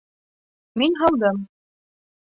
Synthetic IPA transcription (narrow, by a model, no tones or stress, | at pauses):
minɦɑlˠd̪ɤm